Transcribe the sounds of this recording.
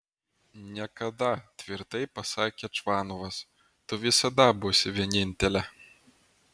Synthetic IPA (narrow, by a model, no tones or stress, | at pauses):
nʲɛkɐd̪ɐt̪ʲʋʲirt̪ɛjpɐsaːkʲɛt͡ʂvanɔʋɐs | t̪ʊʋʲisɐd̪ɐbusʲɪvʲɛnʲinʲt̪ʲɛlʲɛ